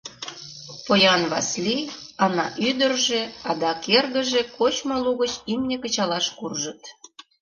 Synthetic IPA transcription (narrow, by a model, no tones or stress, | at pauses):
pojɑnβɑsliɑnɑ̰ʔyd̪ərʒeɑd̪ɑkerɣə̆ʒĕkot͡ɕmoluɣət͡ɕimnʲekə̆t͡ɕɑlɑʃkurʒət̪